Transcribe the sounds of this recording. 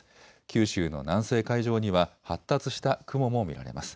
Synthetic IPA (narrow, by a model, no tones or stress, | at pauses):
kʲʰɨːɕɨːno̞̰nãɰ̃se̞ːkaiʑo̞ːɲ̟iβahat̪ːat͡sɨɕi̥t̪akɯ̟mo̞mo̞mʲḭɾa̰ɾe̞̰masɨ̥